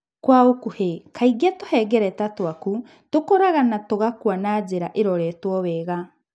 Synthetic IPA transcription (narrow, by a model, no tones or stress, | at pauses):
kwaokuhekʰaiɡatohɛɡɛɾɛtatoaku | tokoɾaɣanatoɣakuanad͡ʒeɾaʔeɾɔɾɛtwɔβɛːɣa